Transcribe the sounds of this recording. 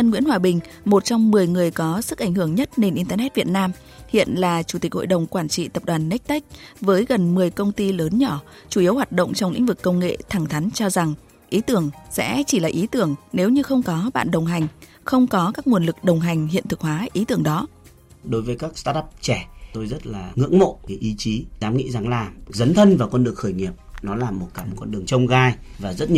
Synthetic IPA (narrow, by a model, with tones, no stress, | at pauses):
ə˧nŋwi˧˥nhwaː˨˩ɓï˨˩ŋ̟ | mo˨˩t̚t͡ɕɔ˧ŋ͡mmɨ˨˩əjŋɨ˨˩əjkɔ˨˦sɨ˦˥k̚ʔa˧˩jŋ̟hɨ˧˩əŋɲə˦˥t̚ne˧nʔi˧nt̪əː˧nɛ˦˥t̚vi˨˩ət̚naː˧m | hḭ˧˨ənlaː˨˩t͡ɕu˧˩t̪i˨˩k̟̚ho̰˧˨jɗə˨˩wŋ͡mkwaː˧˩nt͡ɕḭ˧˨t̪ə˨˩p̚ɗwaː˨˩nːɛ˦˥k̚t̪a˦˥jk̟̚vəː˨˦jɣə˨˩nmɨ˨˩əjkə˧wŋ͡mt̪i˧ləː˨˦nɲɔ˧˩ | t͡ɕu˧˩ʔi˨˦əwɦwaː˨˩t̚ɗə̰˧˨wŋ͡mt͡ɕɔ˧wŋ͡mlḭ̈˧˥ŋ̟vɨ˨˩kːə˧wŋ͡mŋḛ˧˨t̪ʰa˧˩ŋt̪ʰa˨˦ŋ̟t͡ɕɔ˧za˨˩ŋ | ʔi˨˦t̪ɨ˧˩əŋsɛ̰˧˥t͡ɕi˧˩laː˨˩ʔi˨˦t̪ɨ˧˩əŋne˨˦wɲɨ˧xə˧wŋ͡mkɔ˨˦ɓa̰ː˧˨nɗə˨˩wŋ͡mɦa˨˩jŋ̟ | xə˧wŋ͡mkɔ˨˦kaː˦˥k̚mu˨˩ənlɨ˨˩k̚ɗə˨˩wŋ͡mɦa˨˩jŋ̟hḭ˧˨nt̪ɨ˨˩k̚hwaː˨˦ʔi˨˦t̪ɨ˧˩əŋɗɔ˨˦ | ɗo˨˦jvəː˨˦jkaː˦˥k̚st̪aː˦˥tːp̚t͡ɕɛ˧˩t̪o˧jzə˦˥t̚laː˨˩ŋɨ̰˧˥əŋmo̰˧˨ka˨˦jʔi˨˦t͡ɕi˨˦zaː˨˦mŋḭ˧˥za˨˩ŋlaː˨˩zə˨˦nt̪ʰə˧nvaː˨˩wkɔ˧nɗɨ˨˩əŋ̚xəː˧˩jŋi˨˩əp̚nɔ˨˦laː˨˩mo˨˩t̚kaː˧˩m˩kɔ˧nɗɨ˨˩əŋt͡ɕə˧wŋ͡mɣaː˧j | vaː˨˩zə˦˥t̚ɲ˧